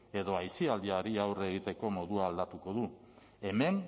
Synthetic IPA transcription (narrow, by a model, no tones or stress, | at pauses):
e̞ðo̞ajsiald̪iaɾiawre̞ɣ̞it̪e̞ko̞mo̞ðuaːld̪at̪uko̞ðu | e̞me̞n